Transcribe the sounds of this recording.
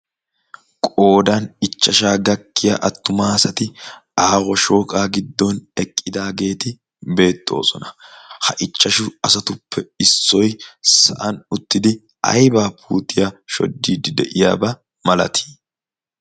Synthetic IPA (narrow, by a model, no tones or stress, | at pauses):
kʼo̞ːd̪ɐnɪt͡ʃːɐʃaːɡɐkːɪjaʔɐt̪ːʊmaːsɐt̪ɪaːɣɔʃo̞ːkʼaːɡɪd̪ːɔnɛkʼːɪd̪aːɡe̞ːt̪ɪ | be̞ːt̪ʼːo̞̰ːsɔnɐ̥hɐʔɪt͡ʃʼːɐʃʊɐsɐt̪ʊpʰːɛɪsːɔjsɐʔɐnʊt̪ːɪd̪ɪ | ɐ̰jbaːpʰuːt̪ʼɪjaʃɔ̰d̪ːiːd̪ɪd̪ɛʔɪja̰ːbɐ | mɐlɐ̰t̪ʰi̥ː